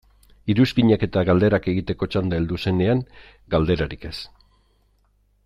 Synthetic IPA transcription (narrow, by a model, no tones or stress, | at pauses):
iɾuskiɲake̞t̪aɣald̪eɾake̞ɣit̪e̞ko̞t͡ʃand̪aeld̪use̞ne̞aŋ | ɡald̪e̞ɾaɾike̞s